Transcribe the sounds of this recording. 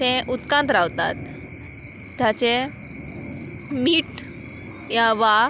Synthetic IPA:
ẽʔut̪kãnt̪ɾaʋt̪a̰t̪ | d̪jat͡ɕe | miːʈ | jãʋa

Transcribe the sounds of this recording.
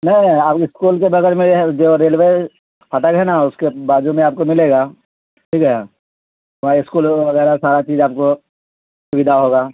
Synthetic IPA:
nɐɦiaːpɪskuːlkebɐɡɛɾmẽd͡ʒoːɾeːlʋe | fʰɐʈəkɦɛnaʊskebaːd͡ʒumẽaːp̚komɪleːɡaː | ʈʰiːkɦɛ | ʋaɪskuːlʋɐɣɛːɾasaːɾat͡ʃiːd͡ʒaːp̚ko | sʊbɪd̪ʱaɦoːɡaː

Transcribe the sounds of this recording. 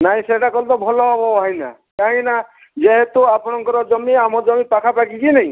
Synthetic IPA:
naɦĩseʈakɔlt̪ɔbʱɔlɔbɔɦajna̰ | kaɦĩna | d͡ʒeɦet̪oapɔnɔŋkɔɾɔd͡ʒɔmiamɔd͡ʒɔmipakʰapakikinej̃

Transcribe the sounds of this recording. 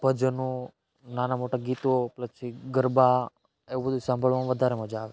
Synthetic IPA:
bʱəd͡ʒnũ | nanamoʈaɡit̪oplət͡ʃʰiɡəɾba | eʋubəd̪ʱusãmbʱəɭmãʋəd̪ʱaɾeməd͡ʒaːʋe

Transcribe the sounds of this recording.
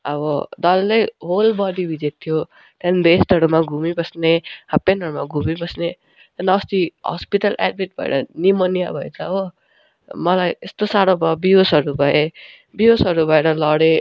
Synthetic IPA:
ʌβʌd̪ʌlːʌjɦolbʌd̪ibʱid͡zet̪̚t̪ʰːijo | t̪anbesʈʌɾumaɡʱumibʌsnehapːenʌɾumaɡʱumibʌsne | t̪ʌnst̪iɦʌ̰spiʈʌlʔa̰d̪̚bʱeʈ̚bʱʌ̰ḛɾʌnimʌnijabʱʌjt͡sʰʌʌbʌ | mʌlajest̪osaɽobʱʌbijosʌɾubʱʌe | biɦosʌɾubʱʌeɾʌlʌɽe

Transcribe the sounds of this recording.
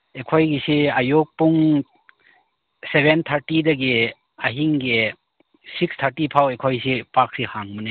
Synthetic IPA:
ekʰɔjɡisiajok̚puŋ | sebent̪ʰaɾtidaɡe | aɦiŋɡe | sikst̪ʰaɾtipʰawekʰɔjsipak̚sihaŋmɯne

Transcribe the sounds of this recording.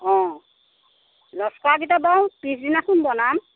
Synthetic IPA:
ɔ̃ | lɔskaɡitabawpis̬dinasunbɔnam

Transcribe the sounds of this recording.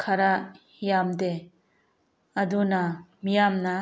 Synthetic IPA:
kʰaɾa | jamd̪e | ɐd̪unamijamna

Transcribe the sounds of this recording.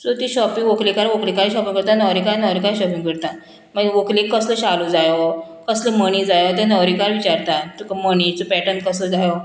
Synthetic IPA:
sot̪iɕɔpĩŋɡʋoklikaɾʋoklikaiɕɔpiŋɡkəɾt̪anəwɾikanəɾikaiɕɔpĩŋɡəɽt̪a | məʋoklikːəsləɕalud͡zajo | kəsləməñid͡zajət̪ɛnəʋɾikaɾʋit͡ɕaɾt̪at̪ukəməɽ̃it͡sopɛʈəɳʈ̚kəsləd͡zajo

